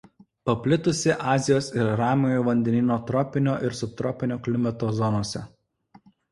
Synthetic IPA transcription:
pɐpʲlʲɪt̪ʊsʲɪʔɑːzʲɪjoːsɪɾɾɑːmʲojuʋɐnʲd̪ʲɛnʲiːnʲoːt̪ɾɔpʲɪnʲoːʔɪɾsʊp̚t̪ɾɔpʲɪnʲoːklʲɪmʲɛt̪oːzɔnoːsʲɛ

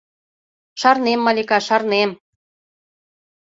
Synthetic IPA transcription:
ʃɑrnemːɑlʲikɑʃɑrnem

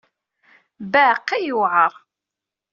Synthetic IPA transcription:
bæːqːæjuʕəɾˤ

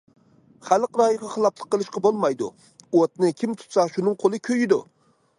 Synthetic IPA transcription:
χælˠqɾɑːjəʁɑχɨlˠɑplˠə̥qːəlˠɨʃqɑbolˠmɑjd̪ṵ | ot̪nɪkʲʰimt̪ʰu̥t̪sɑʃunɨŋqʰolˠɨkʲʰøjɪd̪u

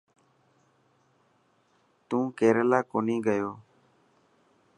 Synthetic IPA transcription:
t̪ũːkeːɾəlaːkoːniːɡəjoː

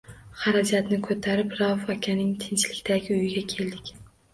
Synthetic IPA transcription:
χaɾad͡ʒat̪nɪkʰot̪ʰaɾɪpɾafakʲʰanɪŋt̪ʰɪnt͡ʃlɪkʲt̪ʰaɡʲɪʊjɪɡʲakʲʰe̞ld̪ɪkʲ

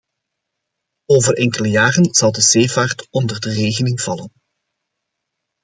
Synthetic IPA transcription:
oːvərʔɛŋkələjaːrənz̥ɑlˠdəzeːvaːrtɔndərdəreːɣənɪŋv̥ɑlən

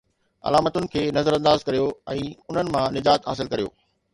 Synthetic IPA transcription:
ɐ̰laːmət̪ʊnɪ̆kʰeːnɐzəɾɐ̃nd̪aːzkɐɾijoɛ̃ːʊn̤ənɪ̆mãnɪd͡ʑaːt̪ɦaːs̬ɪlkɐɾijo̰ː

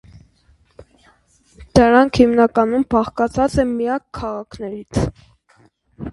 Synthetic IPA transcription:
d̪̥əɾɑŋkʰhimnɑkɑnumbɑχkɑt͡sʰɑt͡sɛmijɑkʰːɑʁɑkʰnɛɾit͡sʰ

